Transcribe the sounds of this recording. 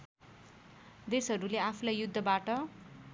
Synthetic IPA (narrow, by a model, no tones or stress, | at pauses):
d̪esɦʌɾuleapʰulajjud̪ʱːʌbaʈʌ